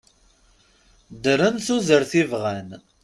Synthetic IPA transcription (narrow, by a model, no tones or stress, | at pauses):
d̪əɾənθuzəɾθivʁæn